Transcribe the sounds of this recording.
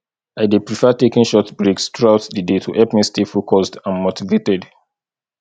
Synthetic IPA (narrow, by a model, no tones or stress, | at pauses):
aɪdepɹifɛtekĩŋʃɔtbɹekstɹuaʊtdədetʰuʔɛpmistefukʰɔsdãnmotivetɛd